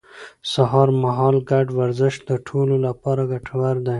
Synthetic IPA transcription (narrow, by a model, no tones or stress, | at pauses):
saɦɑɾmaɦɑːlɡaɖwaɾzɪʃd̪əʈʰololapɑːɾaɡaʈʰawaɾd̪aj